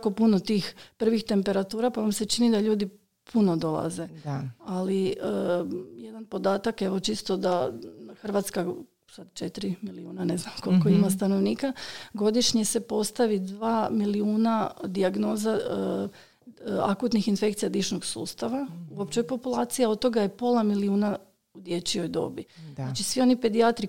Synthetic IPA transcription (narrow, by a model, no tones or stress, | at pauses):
ako̞punot̪iːxpr̩ʋixt̪e̞mpe̞ɾat̪uːɾapaʋamse̞t͡ʃinid̪aʎuːd̪i | pʰuno̞d̪o̞lˠa̰ze̞aliəjed̪anpo̞d̪aːt̪akeʋo̞t͡ʃist̪o̞d̪axr̩ʋaːt̪ska | sad̪t͡ʃet̪ɾimiliuːnane̞znamkolkoimast̪ano̞ʋniːkaɡo̞d̪iʃɲese̞po̞st̪aʋid̪ʋaːmiliuːnad̪iaɡno̞ːza | a̰kut̪nixinfe̞k̚t̪sijad̪iʃnoɡsuːst̪aʋauopt͡ʃejpo̞pulˠaːt̪sijaod̪̚t̪o̞ɡajepo̞lamiliuːna | ud̪je̞t͡ɕio̞jd̪o̞̰biat͡ʃisʋio̞nipe̞d̪iat̪ɾi